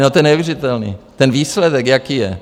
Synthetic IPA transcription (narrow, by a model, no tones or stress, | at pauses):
not̪ojɛnɛuvjɛrɪt̪ɛlnḭːt̪ɛnviːslɛdɛkjakiːjɛ̰